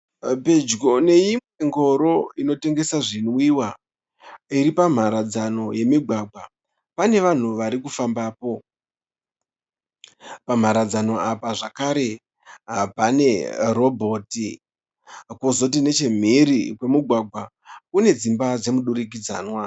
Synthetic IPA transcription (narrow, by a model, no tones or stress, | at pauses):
pe̞d͡ʒɡone̞imweŋɡo̞ɾo̞ino̞te̞ŋɡe̞saʐinwiːwa | iɾipam̤aɾad͡zano̞je̞miɡʱwaɡʱwa | pane̞ʋan̤uʋaɾikufambaːpo̞ | pam̤aɾad͡zano̞apaʐakaɾe̞ | apane̞ro̞bʱo̞ːti | kozo̞t̬ine̞t͡ʃe̞m̤iɾikwe̞muɡʱwaɡʱwa | kune̞d͡zimbad͡ze̞muɗuɾik̬id͡za̰ːnwa